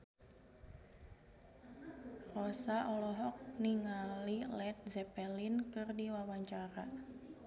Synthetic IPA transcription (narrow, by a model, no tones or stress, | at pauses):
rɔsaʔɔlɔɦɔk̚niŋalilɛt̪̚zɛpɛlinkɨrdiwawaɲt͡ʃaɾa